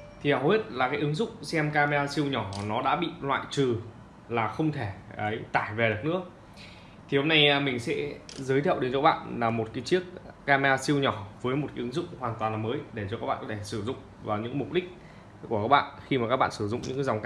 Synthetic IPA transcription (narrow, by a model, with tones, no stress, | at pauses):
t̪ʰi˨˩ha˨˧˩wwe˦˥t̚laː˨˩kaː˨˦jʔɨ˨˦ŋzʊ̰˦˧˥k͡p̚sɛ˧mkaː˧mi˧aː˧si˧əwɲɔ˧˩nɔ˨˦ɗa̰ː˧˥ɓḭ˧˨lwa̰ː˧˨jt͡ɕɨ˨˩ | laː˨˩xə˧wŋ͡mt̪ʰe˧˩ʔə˨˦jt̪aː˧˩jve˨˩ɗɨ˨˩ək̚nɨ̰˧˥ə | t̪ʰi˨˩ho˨˧˦mna˧jmï˨˩ŋ̟sɛ̰˧˥zəː˨˦jt̪ʰɛ˧˨wɗe˨˦nt͡ɕɔ˧˦a˦˥ɓa̰ː˧˨nlaː˨˩mo˨˩t̚kaː˨˦jt͡ɕi˦˥ək̚ːaː˧mi˧aː˧si˧əwɲɔ˧˩vəː˨˦jmo˨˩t̚ka˨˦ʔɨ˨˦ŋzʊ̰˧˨ŋ͡mhwaː˨˩nt̪waː˨˩nla˨˩məː˨˦jɗe˧˩t͡ɕɔ˧kaː˦˥kɓa̰ː˧˨˩kɔ˨˧t̪ʰe˧˩sɨ˧˩zʊ̰˧˨ŋ͡m | vaː˨˩wɲɨ̰˧˥ŋmʊ˨˩k͡p̚ɗï˦˥k̟̚ | ku˧˩əkaː˦˥k̚ɓa̰ː˧˨nxi˧ma˨˩kaː˦˥ɓ̰ːnsɨ˧˩zʊ̰˧˨ŋ͡mɲɨ̰˧˥˧za˨˩wŋ͡mk